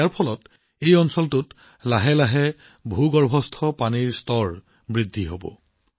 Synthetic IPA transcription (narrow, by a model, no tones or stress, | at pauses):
aɹpʰɔlɔt | ejɔnsɔltʊt | laɦɛlaɦɛ | bʱuɡɔɹbʱɔstʰɔpaniɹstɔɹ | bɹidʱːiɦobɔ̰